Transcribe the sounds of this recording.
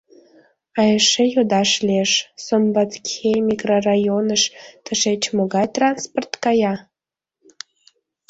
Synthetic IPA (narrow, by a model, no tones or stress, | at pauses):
ɑjəʃejod̪ɑʃlieʃsombɑt̪kʲemʲikrorɑjonəʃt̪əʃet͡ɕmoɣɑjt̪rɑnsport̪kɑjɑ